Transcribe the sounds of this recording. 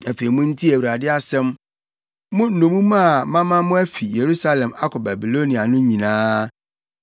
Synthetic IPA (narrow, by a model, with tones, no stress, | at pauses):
æ˨fe˨i˨mʊ̃˦n̩˦tʰi˦æ˨wu˨ɾa˨dɪ˦a˦sɛ̃˦m | mʊ̃˦n̩˨nʊ̃˨mũ˦mã˦˨mã˦mã˦mʊ̃˦æ˦fi˨je˨ɾu˦sa˦lɛ̃˨ma˦kʰɔ˨bæ˨bi˨lo˦nĩ˨a˨nʊ̃˦ɲĩ˨nãː˦